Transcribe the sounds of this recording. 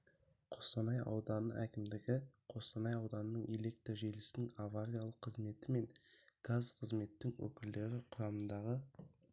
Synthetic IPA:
qʰo̞st̪ɑnɑjɑ̰wd̪ɑnə̰ʔækʲɪmd̪ɪɡʲɪqʰo̞st̪ɑnɑjɑwd̪ɑnənəɴele̞k̚t̪ɾoʒejlɪsɪnɪŋavaɾʲijalˠəqʰːəzme̞t̪ɪme̞ŋɡ̥azqʰəzme̞t̪ːɪŋwɵ̰kʲɪld̪e̞ɾɪqʰʊɾɑmənd̪ɑʁə

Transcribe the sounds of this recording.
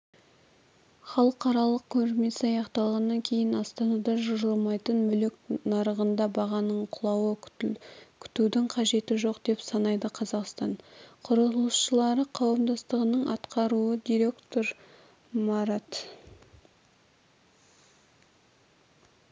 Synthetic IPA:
χɑlˠəqɑɾɑlˠəq̚kʲʰɵnɪɾme̞sɪɑjɑqt̪ɑlˠʁɑnːɑŋkʲʰe̞jɪnɑst̪ɑnɑd̪ɑʒʊɾəlˠmɑjt̪ənmʏleknɑɾəʁənd̪ɑbɑʁɑnəɴqʰʊlˠɑwə | kʲʰʏ̥t̪ud̪ɪŋqʰɑʒe̞t̪ɪʒo̞qd̪e̞psɑnɑjd̪əqʰɑzɑqst̪ɑɴqʰʊɾəlˠəsʃəlˠɑɾəqʰɑwəmd̪ɑst̪əʁənəɴʔɑt̪qɑɾuəd̪ijɾe̞kt̪o̞ɾ | mɑɾɑt̪

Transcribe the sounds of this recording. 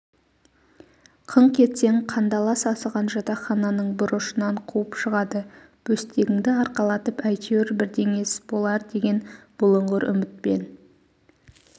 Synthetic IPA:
qʰəɴqʲʰe̞t̪se̞ŋqʰɑnd̪ɑlˠɑsɑsəʁɑnʒɑt̪ɑχɑnɑnəɴbʊɾəʃənɑɴqʰuwəpʃəʁɑd̪ə | b̥ɵst̪e̞ɡʲɪŋd̪ɪɑɾqɑlˠɑt̪əpæjt̪ʲʰewɾbɪɾd̪e̞ŋe̞sb̥o̞lˠɑɾd̪e̞ɡʲe̞nb̥ʊlˠəɴʁəɾʔʏ̰mɪt̪̚pe̞̰n

